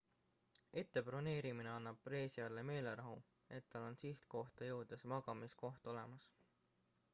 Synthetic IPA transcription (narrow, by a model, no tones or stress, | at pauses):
et̪ːe̞pro̞ne̞ːɾimineɑnːɑb̥̚pre̞ːsiɑlːeme̞ːle̞ɾɑɦu | e̞t̪ːɑlo̞nsiht̪ko̞ht̪ɑjɤwd̪̥e̞smɑɡ̥ɑmisko̞ht̪o̞le̞mɑs